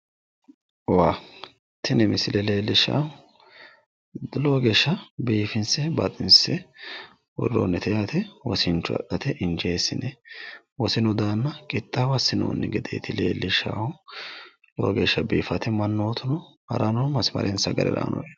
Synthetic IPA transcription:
waː | t̪ʰɪnɛmɪsɪlɛle̞ːlːɪʃa̰ʊ | loːɡeːʃːɐbiːfɪnsɛbɐt̪ʼɪnsɛ | wɔ̰rːo̰ːnːɛt̪ʰɛjaːt̪ɛwɔsɪnt͡ʃːʊɐ̰ʔɐt̪ɛʔɪnd͡ʒeːsːɪnɛ | wɔsɪnɔd̪aːnːɐkʼɪt̪ʼːawɐsɪno̰ːnːɛɡɛd̪ḛːt̪ɪleːlːɪʃa̰ːhʊ | lo̰ːɡe̞ːʃːɐbiːfɐt̪ɛmɐnːoːt̪ʰʊnɔhɐ̰ɾɐnɔmɐsmɐ̰ɾʔɛnsɐɡɐɾɛ̰ɾa̰ːnʔɔ̰j

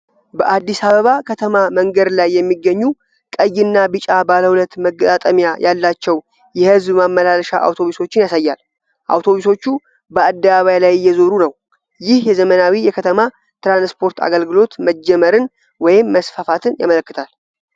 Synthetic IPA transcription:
bəʔad̪ːisaβəβakʰət̪ʰəmaməŋɡəd̪lajːɛmːiɡːəɲːu | kʼəjːɪnːabɨt͡ʃʼabaləwulət̪məɡːət̪ʼat̪ʼəmijajʔalːat͡ʃːɛw | jɛhɨzbmamːəlalʃa̰ʔa̰wt̪ʰo̞βuso̞t͡ʃːɪnjasajːal | ʔa̰wt̪ʰo̞βuso̞t͡ʃːu | bəad̪ːəβaβajlajjːɛzo̞ɾunəw | jɪhjɛzəmənawijɛkʰət̪ʰəma | t̪ɾanspʰo̞ɾt̪ʰa̰ɡəlɡɨlo̞t̪məd͡ʒːɛməɾɨn | wɔjɪmːəsfafat̪ʰɨnja̰mələkːɨt̪ʰal

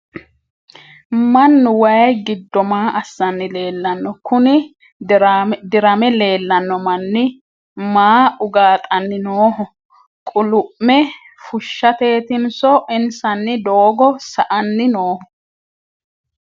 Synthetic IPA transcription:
mɐnːʊwɐjɡɪd̪ːɔmaːʔɐsːɐnːɪle̞ːlːɐnːɔkʊnɪ | d̪ɪɾɐmɛle̞ːlːɐnːɔmɐnːɪ | maːʊɡaːt̪ʼɐnːɪnoːhɔ | kʼʊlʊʔmɛ | fʊʃːɐt̪e̞ːt̪ɪnsɔʔɪnsɐnːɪd̪oːɡɔsɐʔɐnːɪnoːhɔ

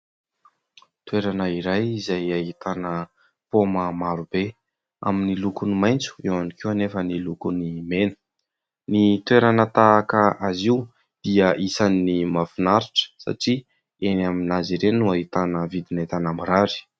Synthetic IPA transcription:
t̪weɾanəiɾajizajaɦit̪ʰanə | poməmaɾub̥e | a̰minilukunimajnt͡su̥ewanikianefənilukunimenə̥ | nit̪weɾanət̪akəʔaziu | d̪̥iəʔisanːimafinaɾiʈ͡ʂə̥sa̰ʈ͡ʂi | enaminaziɾennuaɦit̪anəvid̪inait̪anambiɾaɾi̥

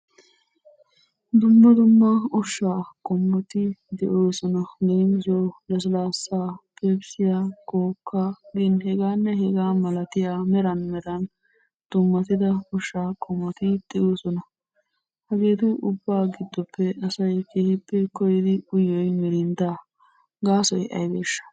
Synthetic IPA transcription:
d̪ʊmːɐd̪ʊmːɐɔʃːaːkʼɔmːɔt̪ɪd̪ɛʔoːsɔnɐleːmzoːlɐs̬laːsːaːpeːbsɪjaːkoːkːaɡɪnhɛɡaːnːɛhɛɡaːmɐlɐt̪ɪjaːmɛɾɐnmɛɾɐn | d̪̥ʊmːɐt̪ɪd̪ɐɔʃːaːkʼɔmːɔt̪ɪd̪̥ɛʔoːsɔnɐ | hɐɡeːt̪ʊʔʊbːaːɡɪd̪ːɔpːɛɐsɐjkeːhɪpːɛkɔjɪd̪ɪʊjːɔjmɛɾɪnd̪aː | ɡaːsɔjʔɐ̰jbeːʃːɐ̥

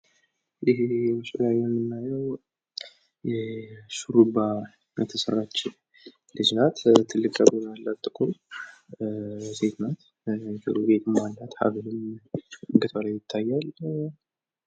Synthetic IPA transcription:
ʔɪɦeeʃəlajanɨnːajəw | jɛʃuɾuba | mət̪ʰːəsərːat͡ʃː | lɨd͡ʒnat̪t̪ʰɨlːɨkʼaɡonalːat̪ʼːɨkʼu | se̞t̪ʰnat̪ | jɛt̪ʰɨ̰ɾube̞t̪ʰɨmmanːat̪ha̰βɨlɨm | ɨŋɡɨt̪ʰaɾajɪt̪ʰːajːal

